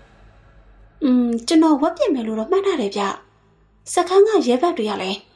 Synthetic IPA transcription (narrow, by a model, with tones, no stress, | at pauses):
t͡ɕə˨nɔ˨wɛ˦ʔpjɪ˦˨ʔmɛ˨lo̰˦˨ɾɔ̰˦˨m̥ã˦˨na˦˨dɛ˨bja˦˨ | sə˨kʰã˦ŋɡä̰˦˨jɛ˨˦ba˦ʔtːwe˨ja˦˨lɛ˨